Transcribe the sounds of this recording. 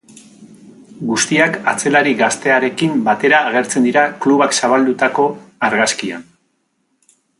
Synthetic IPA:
ɡust̪iakat͡se̞laɾiɣast̪e̞aɾe̞kimbat̪e̞ɾaːɣ̞e̞ɾt͡send̪iɾakluβaksaβald̪ut̪ako̞aɾɣaskia̰n

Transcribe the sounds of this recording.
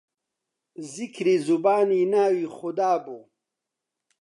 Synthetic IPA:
zikʰɾizubaːninaːwixʊd̪aːbu

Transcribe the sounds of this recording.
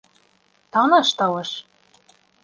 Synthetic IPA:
t̪ɑnɑʃt̪ɑlɤ̆ʃ

